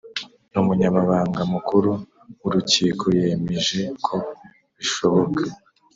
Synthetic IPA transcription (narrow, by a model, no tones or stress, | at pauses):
numuɲamaβaːŋɡamukuɾu | wuɾuciːkʰoje̞me̞ʒe̞kʰo̞ | βiʃo̞βo̞kʰa